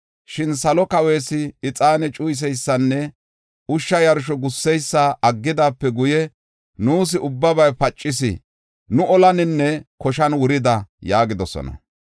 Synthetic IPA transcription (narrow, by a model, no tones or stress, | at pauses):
ʃɪnsɐlɔkɐwe̞ːsɪɪt͡sʼaːnɛt͡ʃʼʊjs̬ɛjsːɐnːɛ | ʊʃːɐjɐɾʃ̬ɔɡʊsːɛjsːaʔɐɡːɪd̪aːpːɛɡʊjɛ | nuːs̬ɪʊbːɐbɐjpɐt͡ʃʼːɪs̬ɪ̰ | nʊɔlɐnɪnːɛkɔʃɐnwʊɾɪd̪ɐjaːɡɪd̪ɔsɔ̰nɐ̰